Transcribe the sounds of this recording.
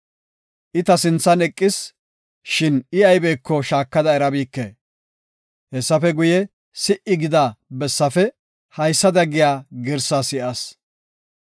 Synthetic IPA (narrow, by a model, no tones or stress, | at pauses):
ʔɪt̪ɐsɪnt͡sːɐnɛkʼːɪs | ʃɪnɪɐjbeːkːɔʃaːkːɐd̪ɐɛɾɐbiːkːe | hɛsːɐfɛɡʊjɛ | sɪʔɪɡɪd̪abɛsːɐfɛ | hɐjsːɐd̪ɐɡɪjaːɡɪɾsaːsɪʔɐs